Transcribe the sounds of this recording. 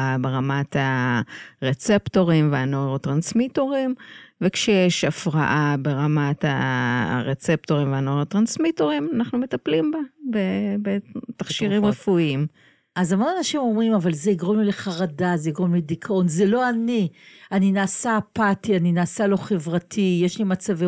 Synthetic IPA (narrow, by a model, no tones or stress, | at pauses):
abe̞ʁamata | ʁet͡septo̞ʁimveanoeʁatʁansmito̞ʁimve̞kʃejeʃafʁa̰ʔabeʁamata̰ʁet͡sep̚to̞ʁimveanoeʁat̪ʁansmito̞ʁimanaχnumet̪aplimbabebetaχʃiʁimʁefuim | azamonanaʃimo̞mʁimavalzeiɡʁomlileχaʁadazeiɡʁomlidikʰao̞nzelo̞anianinaːsapatianinaːsalo̞χe̞vʁatʰijeʃlimat͡save